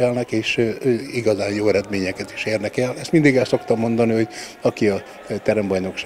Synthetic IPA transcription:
ɛlnɛkeːʃiɡɒzaːnjoːɛɾɛd̪meːɲɛkɛt̪i̥ʃeːrnɛkɛlɛst̪mind̪iɡɛlso̞kt̪ɒmːo̞nd̪ɒniho̞ɟ | ɒkiɒ | t̪ɛɾɛmbɒjno̞kʃ

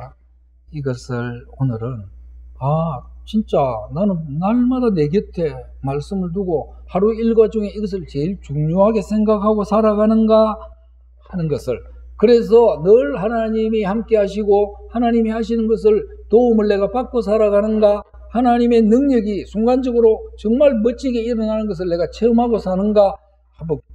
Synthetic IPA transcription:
iɡʌsʰɯɭonɯɾɯnat͡ɕint͡ɕ͈ananɯnnaɭmadane̞ɡetʰe̞ | maɭs͈ɯmɯɭtuɡohaɾuiɭɡwad͡ʑuŋe̞iɡʌs̬ʰɯɭt͡ɕe̞iɭt͡ɕuŋɲoɦaɡe̞sʰe̞ŋɡakʰhaɡosʰaɾaɡanɯnɡa | hanɯnɡʌsʰɯɭkɯɾe̞s̬ʰʌnɯɭhanaɲimihamk͈eɦaɕʰiɡohanaɲimihaɕ̬ʰinɯnɡʌs̬ʰɯɭ | toumɯɭːe̞ɡapak͈os̬ʰaɾaɣanɯnɡa | hanaɲime̞nɯŋɲʌɡisʰuŋɡand͡ʑʌɡɯɾot͡ɕʌŋmaɭmʌt͡ɕʰiɡe̞iɾʌnanɯnɡʌs̬ʰɯɭne̞ɡat͡ɕʰe̞ɯmɦaɡosʰanɯnɡa | hambo

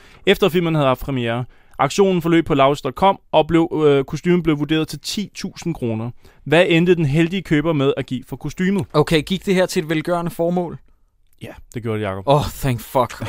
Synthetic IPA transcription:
efd̥ɐfil̰mən̩hæðˠhɑ̈f̚pʰʁɛmieːɐ | ʔɑ̈ɡ̥ɕo̝̰ːnn̩fɒ̽lø̰ːb̥̚pʰɒ̽lɑ̈ʊsd̥ɒ̽d̥̚kʰɒ̽m̰ʔɒ̽b̥le̝ʊkʰo̝sd̥y̰ːməb̥le̝ʊʋud̥e̝̰ːɐð̞ˠt͡sʰe̝lt͡sʰḭːt͡sʰṵːsn̩kʰʁo̝ːnɐ | ʋæend̥əð̩ˠd̥enɦeld̥iəkʰøːb̥ɐmeð̞ˠæɡ̥ḭːfɒ̽kʰo̝sd̥yːmð̩ˠoʊkʰeɪɡ̥iɡ̥̚d̥e̝ɦæɐ̰t͡sʰe̝edʋelɡ̥ɶɐnəfɒːmɔ̰̽ːl | jæd̥e̝ɡ̥jo̝ɐd̥ejɑ̈ːkʰɒ̽b̥ɒθæŋfɒɡ̥

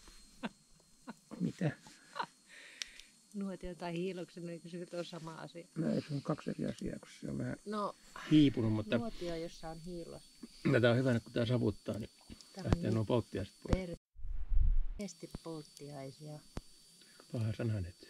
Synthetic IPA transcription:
mit̪æ | nuot̪iot̪ɑihiːloksenoikosenyt̪onsɑmɑɑ̰siɑnoḛisolːkkɑksḛrḭɑ̰sḭɑ̰ːko̥ssḛo̰ʋʋæhæ̰nohiːpunummutnːɑot̪iojosːɑonhiːlo̰st̪æt̪æohyʋænekku̥t̪ɑːsɑʋut̪ːɑ̰ːni | æht̪eːnuopolt̪ːiɑise̥t̪poer | est̪ippolt̪ːiɑisiɑ | pɑhɑsɑnhɑnet̪

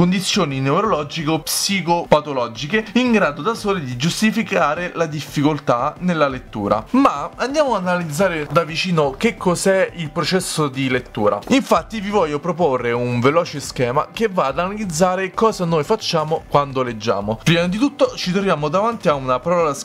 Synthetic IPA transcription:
ond̪it̪sːjoːninewɾolɔd͡ʒikopsikopat̪olɔːd͡ʒikeiŋɡɾaːd̪od̪asoːlid̪id͡ʒust̪ifikaːɾelad̪ifːikolt̪anelːalet̪ːṵːɾa̰mmaand̪jaːmoanalid̪zːaːɾed̪avit͡ʃiːnok̟ekʰːozɛilpɾot͡ʃɛsːod̪ilet̪ːuːɾa̰iɱfat̪ːivivɔʎːopɾoporːeuɱvelɔːt͡ʃeskɛːma̰k̟evːaːd̪analid̪zaːɾekɔːzanojfat͡ʃːaːmokwand̪oled͡ʒːa̰ːmopɾiːmad̪it̪ut̪ːot͡ʃit̪ɾovjaːmod̪avant̪iaunapaɾɔːlas

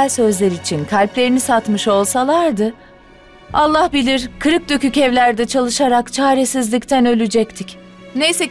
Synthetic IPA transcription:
lʲsø̞zlʲeɾiːt͡ʃʰinkʰalʲplʲe̞ɾinisat̪mɯʃo̞lˠsalˠaɾd̪ɯ | alˠːahbilʲiɾkʰɯɾɯk̚d̪økycɛvlʲæɾd̪ɛt͡ʃʰalˠɯʃaɾakt͡ʃʰaːɾesizlʲict̪ʰænø̞lʲyd͡ʒɛc̚t̪ʰic | ne̞jsɛ

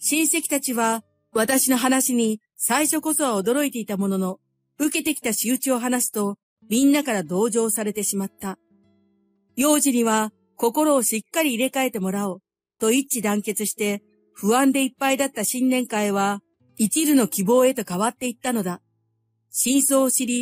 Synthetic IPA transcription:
ɕĩɰ̃se̞kʲi̥t̪at͡ɕiβa | βat̪aɕino̞ɦanaɕiɲ̟i | saiɕo̞ko̞so̞βao̞d̪o̞ɾo̞it̪e̞it̪amo̞no̞no̞ | ɯ̟ke̞t̪e̞kʲi̥t̪aɕiɯt͡ɕio̞ɦanasɨ̥t̪o̞ | mʲĩnːakaɾad̪o̞ːʑo̞ːsaɾe̞t̪e̞ɕimat̪ːa | jo̞ːʑiɲ̟iβa | ko̞ko̞ɾo̞ːɕikːaɾʲiːɾe̞kae̞t̪e̞mo̞ɾao | t̪o̞it͡ɕid̪ãŋke̞t͡sɨɕi̥t̪e̞ | ɸɯ̟βãnd̪e̞ipːaid̪at̪ːaɕĩnːẽ̞ŋkaiβa | it͡ɕiɾɯno̞kʲibo̞ːe̞t̪o̞kaβat̪ːe̞it̪ːano̞d̪a | ɕĩɰ̃so̞ːɕiɾʲi

